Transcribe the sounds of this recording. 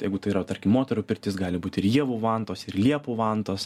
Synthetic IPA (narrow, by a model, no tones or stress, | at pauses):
jɛɪɡʊt̪ɐɪɾɐt̪ɐrʲkʲɪmoːt̪ʲɛɾʊːpʲɪrʲt̪ʲɪsɡɑːlʲɪbuːt̪ʲɪɾjiɛʋuːʋɑːnt̪oːsɪrlʲiɛpʊʋɑnt̪oːs